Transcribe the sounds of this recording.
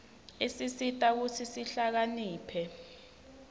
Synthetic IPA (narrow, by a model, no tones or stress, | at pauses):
isisitʼak̬ut͡sʰisiɬak̬aniːpʰɛ